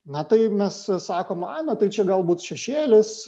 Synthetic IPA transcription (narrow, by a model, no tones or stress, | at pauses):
nɐt̪ɐɪmʲɛssɑːkoːmɑːnɐt̪ɐɪt͡ʃʲɛɡɐlˠbuːt̪ʃʲɛʃʲeːlʲɪs